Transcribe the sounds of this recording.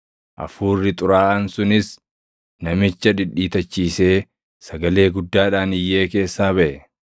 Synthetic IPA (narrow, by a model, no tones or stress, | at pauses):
ʔɐ̰fuːrːɪt̪ʼʊɾaːʔɐnsʊnɪs | nɐmɪt͡ʃːɐᶑɪᶑiːt̪ɐt͡ʃːiːse̞ː | sɐɡɐle̞ːɡʊd̪ːaːᶑaːnɪjːe̞ːke̞ːsːaːbɐʔɛ